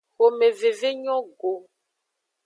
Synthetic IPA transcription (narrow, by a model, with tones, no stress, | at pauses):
xo˨me˨ve˨ve˦ɲɔ̃˦ɡo˨